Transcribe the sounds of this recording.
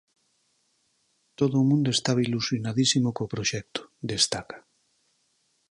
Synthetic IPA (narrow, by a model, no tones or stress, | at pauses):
t̪oðoːmũnd̪oest̪aβilusjonaðisimokopɾoʃɛk̚t̪o̥d̪est̪akḁ